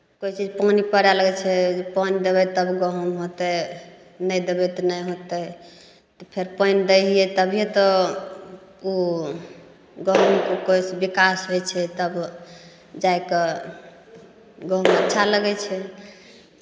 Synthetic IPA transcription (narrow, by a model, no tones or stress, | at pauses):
koit͡ʃid͡ʒpənipəɾaləɡɛt͡ʃʰɛd͡ʒpənid̪ebɛt̪əbɡəɦumɦot̪ɛ | nəjd̪ebɛt̪ɔnəjɦot̪ɛ | t̪ɔpʰeɾpəjnd̪əɦijɛt̪əbʱijet̪ɔ | u | ɡəɦumkokojsbikasɦojt͡ʃʰɛt̪əb | d͡ʒaeke | ɡəɦmətːʃʰaləɡɛt͡ʃʰɛ